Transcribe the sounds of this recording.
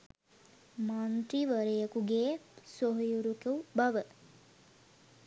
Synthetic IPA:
mant̪ɾiʋəɾejəkuɡeːsoɦjuɾukewbaʋə

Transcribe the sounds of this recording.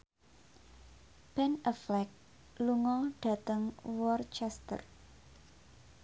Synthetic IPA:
b̥ɛnəflɛk̚ | luŋɔŋɖ̥ä̤t̪əŋwɔrt͡ʃɛst̪ə̰r

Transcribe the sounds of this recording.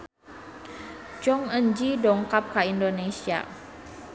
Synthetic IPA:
t͡ʃɔŋəɲd͡ʒidɔŋkap̚kaindonesia̰

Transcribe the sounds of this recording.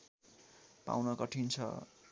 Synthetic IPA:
pa̰wnʌkʌʈʰint͡sʰʌ̰

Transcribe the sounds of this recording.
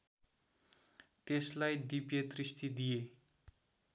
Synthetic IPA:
t̪eslajd̪ipjed̪rist̪id̪ije

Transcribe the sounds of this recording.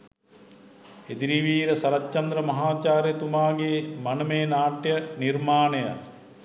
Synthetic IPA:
ed̪iɾiʋiːɾɐsɐɾɐtːt͡ʃɐnd̪ɾɐmɐɦaːt͡ʃaːɾjɐt̪umaːɡemɐnɐmeːnaːʈjɐniɾmaːnɐjɐ̰

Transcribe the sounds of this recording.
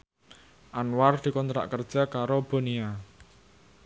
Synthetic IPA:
ʔanward̪̥i̤kɔnt̪ɾa̰ʔkərd̥ʒ̥a̤kaɾob̥o̤nia

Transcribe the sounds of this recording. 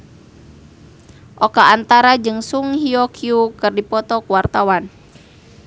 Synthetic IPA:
ʔɔkaːnt̪aɾad͡ʒɨŋsuŋhiɔkʰiukɨrdipɔt̪ɔkuwart̪awan

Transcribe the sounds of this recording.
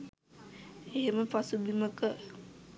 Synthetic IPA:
eɦeməpasubiməkə

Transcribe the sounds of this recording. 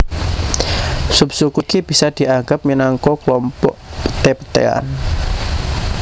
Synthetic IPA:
sup̚sukukib̥i̤sad̪̥i̤ʔaŋɡap̚minaŋkɔkəlɔmpɔ̰ʔpə̥t̪epət̪ḛa̰n

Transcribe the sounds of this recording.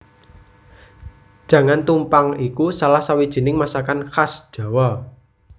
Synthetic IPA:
d̥ʒ̥ä̤ŋant̪umpaŋikusalahsawid̥ʒ̥i̤nɪŋmasakanxasʒ̥a̤wɔ

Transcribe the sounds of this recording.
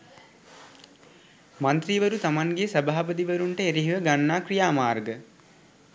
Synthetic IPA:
mant̪ɾiʋəɾut̪amaŋɡesəbaːpəd̪iʋəɾuɳʈəeɾiɦiʋəɡanːaːkrijaːmaːrɡə

